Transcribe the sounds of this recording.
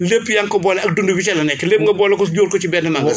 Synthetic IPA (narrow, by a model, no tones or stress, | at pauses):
lepːjɐŋkɔbɔːlɛɐk̚dundubit͡ʃɐlɐnɛkːɛleːp̚ŋɡɐbɔːlɐkɔsɟoːɾkɔt͡ʃibɛːnːɐmɐŋɐ